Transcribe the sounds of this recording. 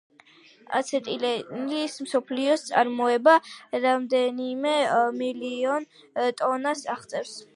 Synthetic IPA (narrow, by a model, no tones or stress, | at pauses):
a̰t̪sʰɛt̪ʼinlismsɔpʰliɔst̪sʼa̰ɾmɔɛbaɾamd̪ɛnimɛmiliɔn | t̪ʼɔnasaʁt̪sʼɛfs